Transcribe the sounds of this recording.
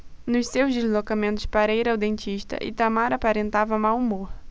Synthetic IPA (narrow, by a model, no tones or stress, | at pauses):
nʊssewzd̪izlokamẽnt̪ʊspaɾɐiɾawd̪ẽnt͡ʃiʃt̪ɐ̰ʔɪ̰t̪amaɾapaɾẽnt̪avɐmawumoɾ